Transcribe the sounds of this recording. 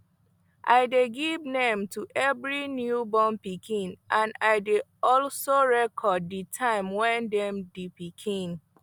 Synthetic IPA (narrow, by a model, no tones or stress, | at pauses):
ʔa̰ɪdeɡivnẽmtuʔɛvɹinjubɔ̃mpikʰĩnʔãnaɪdeɔlsoɹɛkʰɔdːitʰãɪ̃mwɛ̃ndɛ̃mdipikʰĩn